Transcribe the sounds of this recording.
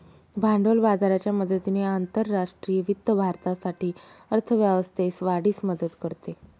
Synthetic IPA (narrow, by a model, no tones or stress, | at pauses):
bʱaɳɖolbad̪aɾat͡ɕjaməd̪ət̪ineant̪əɾːaʂʈɾiːjəʋit̪ːəbʱaɾt̪asaʈiːəɾt̪ʰəʋjaʋəst̪esʋaɽiːsməd̪ət̪kəɾt̪e